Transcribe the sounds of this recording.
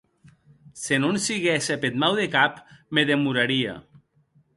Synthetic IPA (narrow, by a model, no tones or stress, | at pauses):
senonsiɣɛsepet̪mawðekapmeðemuɾaɾia̰